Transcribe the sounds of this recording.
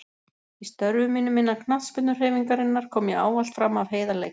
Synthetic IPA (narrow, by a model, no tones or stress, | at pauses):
ist̪œɾvʏmːiːnʏmːɪnːakʰnat̪sfpɪt̪nʏr̥heːjviŋkaɾɪnːaɾ̥kʰɔːmjɛa̰ːwal̥t̪fɾamːavɦeːjðalejk